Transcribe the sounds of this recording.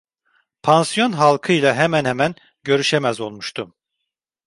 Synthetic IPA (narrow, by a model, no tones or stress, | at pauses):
pʰansjo̞nɦalˠkʰɯjlˠaɦemænhemæn | ɟø̞ɾyʃemæzo̞lˠmuʃt̪ʰum